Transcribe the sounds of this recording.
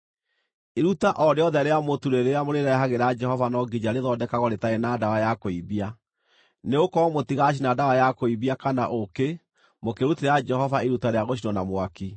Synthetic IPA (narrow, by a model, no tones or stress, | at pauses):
eɾutaʔɔɾeɔðɛɾeamotuɾeɾeamoɾeɾɛɦaɣeɾad͡ʒɛhɔvanɔɡid͡ʒaɾeðɔdɛkaɣɔɾetaenaːdawajakoiβia | neokɔmotiɣaɕ̬inadawajakoiβiakanaʔoke | mokeɾutiɾɛad͡ʒɛɦɔvaeɾutaɾeaɣoʃinɔnamwaki